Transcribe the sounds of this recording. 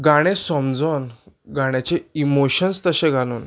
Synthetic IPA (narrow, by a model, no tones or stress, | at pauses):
ɡaɽ̃ẽsɔmd͡zɔnɡaɽ̃at͡ɕeimoɕənst̪əɕẽɡʱaluːn